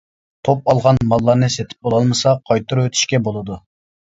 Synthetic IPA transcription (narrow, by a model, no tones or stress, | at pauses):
t̪ʰop̚ɑlˠʁɑnmɑlˠːɑɾnɨset̪ʰɪ̥p̚bolˠɑlˠmɨsɑqʰɑjt̪ʰuɾuwøt̪ʰy̥ʃkʲɛbolˠɨd̪u